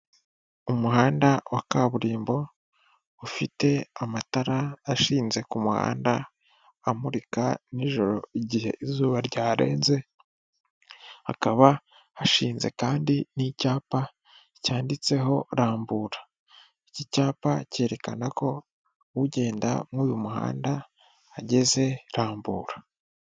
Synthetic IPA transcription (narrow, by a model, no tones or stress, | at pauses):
umuɦaːndawʔakaβuɾiːmbo̞ | ufite̞amataɾaːʃiːnze̞kumuha̰ːndaː | muɾikaniʒo̞ɾo̞̰iɟihe̞̰izuːβaɾɟaːɾe̞ːnze̞ | ha̰kaβa | haʃiːnze̞̰kaːndinicaːpa | caːndit͡se̞ɦo̞ɾaːmbuːɾa | icicaːpace̞ːɾe̞ka̰nako̞ | wuɟe̞ːnda̰mŋuːjumuha̰ːndaː | ɟe̞ze̞ɾaːmbṵːɾa